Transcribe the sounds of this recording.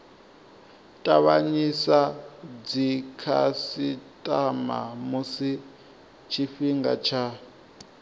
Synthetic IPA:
tʼaβaɲisad͡zikʰasitʼama̰musi | t͡ʃʰiɸiŋɡa̰t͡ʃʰa

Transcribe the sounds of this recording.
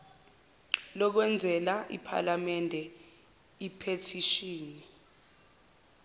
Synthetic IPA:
lɔk̬wɛnd͡zʱɛlaʔḭpʰa̰lamɛndʱɛ | ipʰetʰiʃiːni

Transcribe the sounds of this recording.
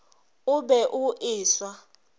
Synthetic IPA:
ʊbɛʔuʔɪːswa

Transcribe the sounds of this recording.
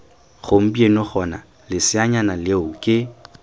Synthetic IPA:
χʊm̩bienɔχɔna̰ | lɪsɪaɲanalɪʊkʼɪ

